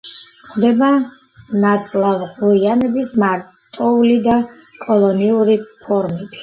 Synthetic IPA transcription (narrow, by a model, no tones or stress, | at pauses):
χd̪ɛba | nat̪sʼlˠavʁʼuianɛbismaɾ | t̪ʼɔulid̪akʼɔlˠɔniuɾipʰɔɾmɛb̥i